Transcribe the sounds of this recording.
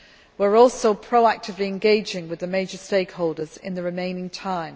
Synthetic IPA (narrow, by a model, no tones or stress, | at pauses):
wəɹɔˑlˠsoʊpʰɹ̥oʊak̚tʰɪvliɛ̃nɡeɪd͡ʒɪ̃ŋwɪðəmeɪd͡ʒəsteɪkhoʊlˠdəzɪ̰̃nðəɹɪmẽɪ̃nɪ̃ŋtʰãɪ̃m